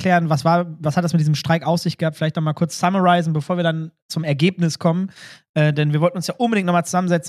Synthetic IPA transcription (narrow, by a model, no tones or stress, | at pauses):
kʰl̥ɛːʁənvasv̥aːɐvashatd̥asmɪt̚diːzəmʃtʁ̥aɪkʔaʊfsz̥ɪçtɡ̥əhaːp̚tfɪlaɪçtnɔχmaːlkʊɐt͡ssaməʁaɪzn̩bəfoːɐviːɐdant͡sʊmɛɐɡeːpnɪskʰɔmənʔɛːdɛnviːɐvɔltn̩ʊnsjaːʔʊnbədɪŋtnɔχmaːlt͡suz̥amənzɛt͡sn̩